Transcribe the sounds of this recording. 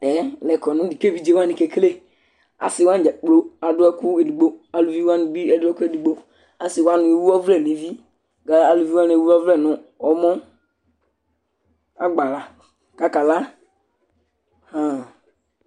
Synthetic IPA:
ɛ˨˦lɛ˨kɔ˨nũ˦di˨ke˦˨vi˦d͡ʒe˦˨wa˦nĩ˨ke˨˦kle˦ | a̰˨sɪ˨wa˦n˨d͡ʒa˨k͡po˦a˨dʊ˦ɛ˦ku˦e˨du˨ɡ͡bo˦a˨lu˨vi˦wa˦n˨bi˦ɛ˨dʊ˦ɛ˦ku˦e˨du˨ɡ͡bo˦ | a˨si˨wa˦nũ˨e˨wu˦ɔ˦vlɛ˦˨nĩ˨˦vi˦ | ɡa˨a˨lu˨vi˦wa˦n˨e˨wu˦ɔ˦vlɛ˦˨nʊ̃˨ɔ˨˦mɔ˦ | a˦ɡ͡ba˨la˨ | ka˨ka˨la˦ | hã˨

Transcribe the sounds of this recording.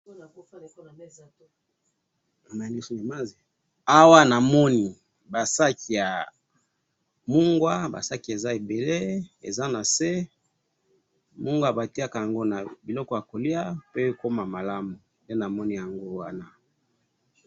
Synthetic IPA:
ma˨ndi˦so˦ne˨ma˦zi˨ | a˦wa˦na˨mɔ˦ni˨ | ba˨sa˦ki˨ja˨ | mu˦ŋɡwa˦ba̰˨sa˦ki˨e˨za˦e˨be˨le˦ḛ˨za˦na˨se˦ | mu˦ŋɡwa˨ba˨ti˦a˦ka˨ja˨ŋɡo˦na˨bi˨lɔ˦kɔ˦ja˨ko˨li˦a˦pe˦ko˦ma˨ma˨la˦mu˨nde˦na˨mɔ˦ni˦ja˨ŋɡo˦wa˦na˦

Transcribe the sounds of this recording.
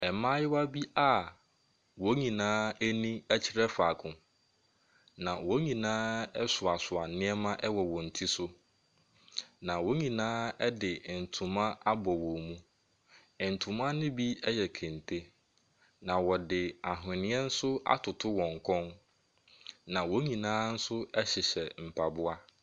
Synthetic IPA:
ɛ˨mã˦jɪ˦wa˦bi˦a˦˨ | wɔ˦ɲĩ˨nãː˦ɛ˦nĩ˦æ˦t͡ɕʰɪ˦ɾɛ˦fa˨kʰʊ̃˨ | nã˨wɔ˨˦ɲĩ˨nãː˦ɛ˦sʊ˨a˨sʊ˨a˨˦nɪ̃˦ɛ˦mã˦ʔɛ˦wɔ˨wɔ̃˨n̩˨tʰi˦sʊ˦ | nã˨wo˦ɲĩ˨nãː˦ɛ˦dɪ˨n̩˨tʰũ˨mã˦a˦bɔ˨wɔ̃˨mũ˦˨ | n̩˨tʰũ˨mã˦nɪ̃˦bi˦ɛ˦jɛ˨kʰɛ̃˨n˨tʰe˦ | nã˨wɔ˨dɪ˨a˨ɦɪ̃˨nɪ̃˦ɛ˦n̩˦sʊ˦a̰˦tʰʊ˨tʰʊ˦wɔ̃˨ŋ˨kʰɔ̃˦n | nã˨wo˦ɲĩ˨nãː˦n̩˦sʊ˦ɛ˦ɕɪ˨ɕɛ˨m̩˨pʰa˨bʊ˦a˦

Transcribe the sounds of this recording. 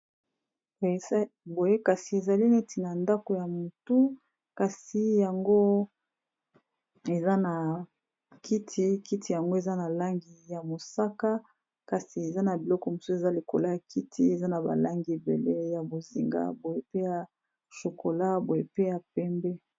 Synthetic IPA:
be˦ | bo˨je˦ka˨si˨e˨za˨li˦ne˦tʰi˨na˨nda˦ko˨ja˨mu˨tu˦ | ka˨si˨ja˨ŋɡo˦ | e˨za˦na˨ | kʰi˦tʰi˦ki˦tʰi˨ja˨ŋɡo˦e˨za˦na˨la˦ŋɡi˨ja˨mo˨sa˦ka˦ | ka˨si˨e˨za˦na˨bi˨lɔ˦kɔ˨mo˨so˦e˨za˦li˨ko̰˨la˦ja˨ki˦tʰi˦e˨za˦na˨ba̰˨la˦ŋɡi˨e˨bḛ˨le˦ja˨bo˨zi˨ŋɡa̰˦bo˨je˦pe˦ja˨ | ʃo˨ko˨la˦bo˨je˦pe˦ja˨pɛ˦mbɛ˦

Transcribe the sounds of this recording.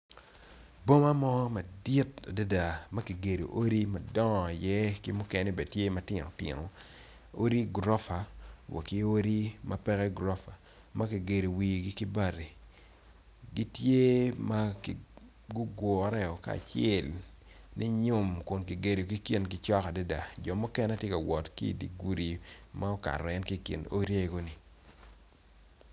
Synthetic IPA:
bo˦ma˦mɔ˦ma˨dɪ˦t̚a̰˨da˦da˨mɐ˦ki˨ɡe˨ɾo̰˨ʔo˦ɾi˦mɐ˨dɔ˦ŋ˨jɛ˦ki˦mʊ˦kɛ˨nɛ˦bɛ˨tje˦mɐ˦tɪ˨no̰˨tɪ̰˨no˨ | o˦ɾi˦ɡɾɔ˦fa˨wɔ̰˨ki˦o˦ɾi˦mɐ˦pɛ˦kɛ˦ɡɾɔ˦fa˨ | mɐ˦ki˨ɡe˨ɾo˨wi˨ɡi˦ki˦ba˦˨ɾi˨ | ɡi˦tje˦ma˦k | ɡʊ˦ɡɔ˨a˦ɾɛ˦ɔ˨ka̰ː˨t͡ʃɛ˨l | ni˦ɲʊ˦mkʊ˨nki˨ɡe˨ɾo˨ki˦ki˨nk̬ɪ˦t͡ʃɔ˦ka˨da˦da˨d͡ʒɔ˨mʊ˦kɛ˦nɛ˦tje˦ka˨wɔ˨tkḭ˦i˨dḭ˨ɡu˦ɾi˨ma˦ɔ˦ka̰˨ɾɔ˨ɛ˦nki˦˨kḭ˨no˦ɾi˦e˦ɡo˦ni˨

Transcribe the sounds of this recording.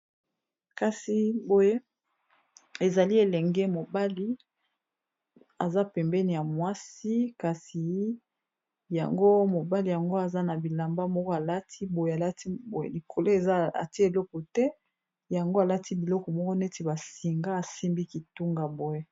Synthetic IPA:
ka˨si˨bo˨je˦ | e˨za˨li˦e˨lɛ˨ŋɡɛ˦mo˨ba˦li˦ | a˨za˦pɛ˨mbɛ˦ni˨ja˨mwa˦si˦ka˨si˨ | ja̰˨ŋɡo˦mo˨ba˦li˨ja˨ŋɡo˦a˨za˦na˨bi˨la˨mba˦mɔ˦kɔ˦a˨la˦tʰi˦bo˨je˨a˨la˦ti˦bo˨jḛ˦li˨kʰo˨lo˦e˨a˦a̰˨ti˦e˨lɔ˦kɔ˨tɛ˦ | ja˨ŋɡo˦a˨la˦ti˦bi˨lɔ˦kɔ˨mɔ˦kɔ˦ne˦ti˨ba˨si˨ŋɡa˦a˨si˦mbi˦ki˨tu˦ŋɡa˨bo˨je˦

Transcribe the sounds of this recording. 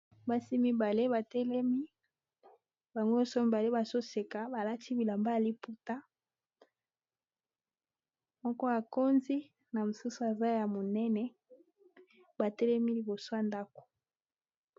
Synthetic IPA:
ba˦si˦mi˦ba˨le˦βa˨tɛ˦lɛ˦mi˦ | ba˨ŋɡo˦jɔ˦so˦mi˨ba˨le˦ba˨so˦se˨ka˨ba˨la˦ti˦bi˨la˨mba˦a˨li˦pu˦ta˦ | mɔ˦kɔ˦ja˨ko˦nzi˦ | na˨mo˨su˦su˨a˨za˦ja˨mo˨nɛ˦nɛ˦ | ba˨tɛ˦lɛ˦mi˦li˨bo˨so˦a˨nda˦ko̥˨

